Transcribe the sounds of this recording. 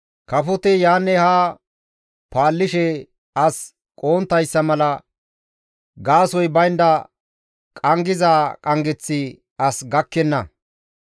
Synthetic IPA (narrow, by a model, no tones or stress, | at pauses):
kɐfɔt̪ɛjaːnːɛhaː | paːlːɪʃɛ | ɐs | kʼo̞ːnt̪ːɐjsːɐmɐlɐ | ɡaːsɔjbɐjnd̪ɐ | kʼɐŋɡɪzaːkʼɐŋɡɛt͡sːɪ | ɐsɡɐkːɛnːɐ